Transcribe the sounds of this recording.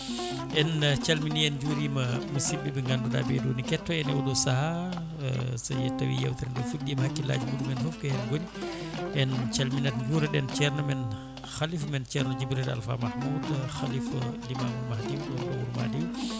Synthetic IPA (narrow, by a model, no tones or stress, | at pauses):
ʔɛnt͡ʃalminiɛnd͡ʒuɾimamasibːɛbɛŋɡanduda̰bɛdunikɛtːɔɛnɛwudɔsaha | sajɛtawḭja̰wtɛɾdɛfuɡdimahakːila̰d͡ʒimudumɛnfɔfkɛhɛnɡoni | ʔɛnt͡ʃalminatd͡ʒuːɾaɗɛnt͡ʃɛɾnamɛn | xalifmɛnt͡ʃɛɾnad͡ʒibɾida̰lfa̰mahmudxaliflimamuɾmahdiwɔɾbawuɾma̰diw